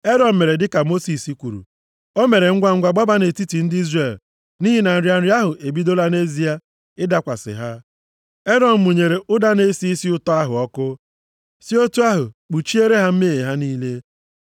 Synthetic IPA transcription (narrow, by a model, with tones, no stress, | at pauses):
e˦dɔ˨m̩˨me˨ɾe˨dɪ˦ka˨mo˦si˨si˨kʷu˨ɾṵ˨ | o˦me˨ɾe˨ŋ̩˦ɡʷa˦ŋ̩˦ɡʷa˨ɡ͡ba˦ba˦ne˨ti˦ti˨n̩˦di˦zre˨l | niː˦ɦi˦na˨n̩˨ɾja˨n̩˨ɾi˦a˦ɦʊ˨ʔe˨bi˦do˦la˦ne˦zi˦a˦ | ɪ˦da˦kʷa̰˨sɪ̰˨ɦa˦ | e˦dɔ˨m̩˨mu˨ɲe˨ɾe˨ʔʊ˦da˦ne˦si˦si˦ʊ˦tɔ˦a˦ɦʊ̰˨ɔ˦kʊ˦ | si˦o˦tu˦a˦ɦʊ˨k͡pu˨t͡ʃi˦e˦ɾe˦ɦa˦m̩˦me˦˨e˨ɦa˦niː˦le˦